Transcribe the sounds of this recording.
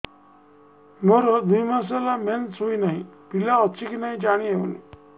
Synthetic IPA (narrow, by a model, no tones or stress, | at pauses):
mɔɾɔd̪ujmasalament͡sɦoinaɦipilaɔt͡ɕikinaɦĩd͡ʑaɽ̃iḛnḭ